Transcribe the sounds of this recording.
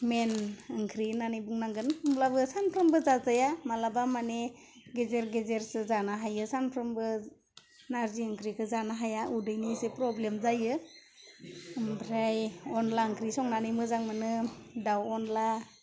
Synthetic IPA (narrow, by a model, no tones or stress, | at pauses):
menɯŋkʰɾinanɯjbuŋnaŋɡɯnɯmlabɯsanpʰɾɯmbɯzazajamalabamane | ɡezeɾɡezeɾsɯzanaɦajɯsanpʰɾɯmbɯ | naɾziɯŋkʰɾikʰɯzanaɦajaudɯjnisepɾɔblemzajɯ | mbɾajɔnlaɯŋkʰɾisɔŋnanɯjmɯzaŋmɯnɯdawɔnla